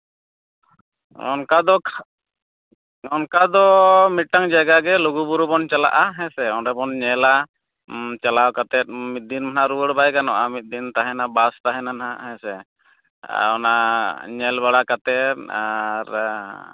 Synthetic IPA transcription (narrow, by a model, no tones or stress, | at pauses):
ɔ̰nkad̪ɔ | ɔnkad̪ɔmit̪̚ʈaŋd͡ʒaɡaɡɛluɡubuɾubɔnt͡ʃala̰ʔaɦɛ̃sɛɔnɖɛbɔnɲɛla | t͡ʃalawkat̪ɛt̪̚ˀmit̪̚d̪inmanaɾuwəɽbajkanɔʔamit̪̚d̪int̪aɦɛnabast̪aɦɛnanɦaɦɛ̃sɛ | ɔnaɲɛlbaɽakat̪ɛt̪̚aɾ